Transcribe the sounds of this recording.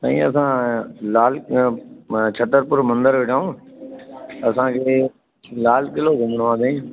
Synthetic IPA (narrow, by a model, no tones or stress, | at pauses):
t̪a̰ːĩːɐsãːlaːl | t͡ʃʰət̪əɾpʊɾmə̃nd̪əɾʋɪʈʰaːũː | ɐsãːkʰeː | laːlkɪloːɡʱʊmɽʋãːd̪eĩ